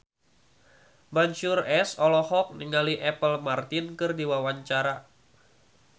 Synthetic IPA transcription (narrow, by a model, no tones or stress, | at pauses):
baɲt͡ʃurɛsɔlɔhɔk̚niŋaliʔɛpəlmart̪inkɨrdiwawaɲt͡ʃaɾa